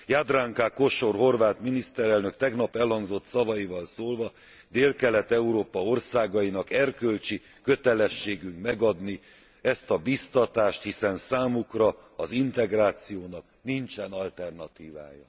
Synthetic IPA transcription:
jaːd̪raːŋkaːko̞ʃo̞rɦo̞rvaːt̪minist̪ɛɾɛlnøkt̪ɛɡnɒpɛlhɒŋɡzo̞t̪sɒvɒjivɒlsoːlvɒ | d̪eːlkɛlɛt̪ɛuɾoːpɒo̞rsaːɡɒjinɒkɛrkølt͡ʃi | køt̪ɛlɛʃːeːɡyŋkmɛɡɒd̪ni | ɛst̪ɒbist̪ɒt̪aːʃt̪hisɛnsaːmukrɒɒzint̪ɛɡraːt̪sijoːnɒk | nint͡ʃɛnɒlt̪ɛrnɒt̪iːva̰ːjɒ̰

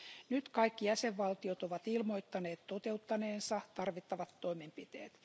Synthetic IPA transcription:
nyt̪kɑikːijæseʋʋɑlt̪iot̪oʋɑt̪ilmo̞it̪ːɑneːt̪t̪ot̪eut̪ːɑneːnsɑt̪ɑrʋit̪ːɑʋɑt̪ːoimempit̪ḛːt̪

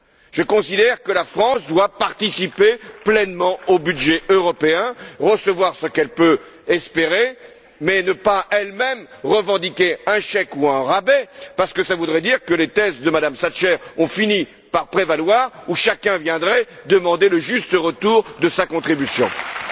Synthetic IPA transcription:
ʒ̥əkɔ̃sid̪ɛʁkəlafχɑ̃sd̪wapaʁt̪isipeplɛnmɑ̃obyd̪ʒɛʔøʁɔpeɛ̃ʁəsəvwaʁsəkɛlpø | ɛspeʁe | mɛnəpaʔɛlmɛm | ʁəvɑ̃d̪ikʲeɛ̃ʃɛkuɛ̃ʁabepaʁsə̥kəsavud̪ʁɛd̪iʁkəlet̪ɛsd̪əmad̪amsaʃɛʁɔ̃fini | paʁpχevalwaʁuʃakʲɛ̃vjɛ̃d̪ʁɛd̪əmɑ̃d̪eləʒyst̪əʁət̪uʁd̪əsakɔ̃t̪χibysjɔ̰̃

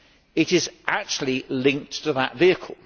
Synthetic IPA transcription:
ɪɾɪzʔak̚t͡ʃul̩ˠilɪ̃ŋk̚tʰəðəʔviəkʰəl̩ˠ

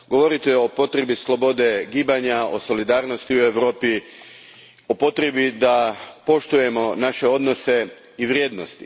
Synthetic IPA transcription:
ɡo̞ʋo̞ɾit̪eo̞po̞t̪ɾe̞bislˠo̞bo̞d̪e̞ɡiːbaɲaoso̞lid̪aːɾno̞st̪iue̞ʋɾo̞ːpi | o̞po̞t̪ɾebid̪apo̞ʃt̪uje̞mo̞naʃe̞o̞d̪no̞se̞ | iʋɾʲjeːd̪nost̪i̥

